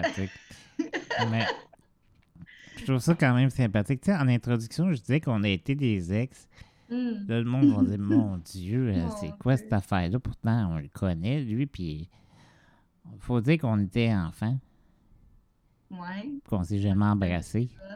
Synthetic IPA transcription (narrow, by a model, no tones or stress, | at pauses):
aɪk | mɛ | ʃt̪ʁuvsʌkɑ̃ːmɛ̃msɛ̃pat̪ɪk̚tt͡seɑ̃nɛ̃t̪ʁɔd̪zyksjɔ̃ʒəd͡z̪zizɛkɔ̃nəet̪ed̪ezɛks | lɔləmɔ̃d̪vɔ̃d͡ziːʁmɔ̃d͡zjøəsɛkwasɛt̪afæːʁlʌpʊʁt̪ãɔ̃ləkʰɔnɛlɥipʰi | fod͡zziːʁkɔ̃net̪ɛɑ̃fã | wpi̥kɔ̃sɛʒamɛ̃ɑ̃bʁase